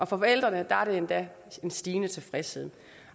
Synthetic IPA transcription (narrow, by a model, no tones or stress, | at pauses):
ʔɒ̽fɒ̽fɒ̽el̰d̥ʁɐnəd̥ɑæɐɾe̝end̥æ | e̝nsd̥iːnət͡sʰe̝fʁɛsheð̩̰ˠ